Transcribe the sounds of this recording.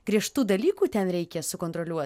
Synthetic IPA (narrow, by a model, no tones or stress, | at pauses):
ɡ̥ɾʲiɛʃt̪uːd̪ɐlʲiːkuːt̪ʲɛnɾʲɛɪkʲɛsʊkoːnt̪ɾolʲuɔ